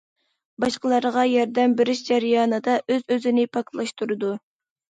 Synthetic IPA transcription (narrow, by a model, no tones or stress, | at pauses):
bɑʃqəlˠɑɾʁɑjɑɾd̪ɛmbɪɾɪʃd͡ʒɛɾjɑːnɨd̪ɑʔøzøzɪnɪpʰɑklˠɑʃt̪ʰuɾɨd̪u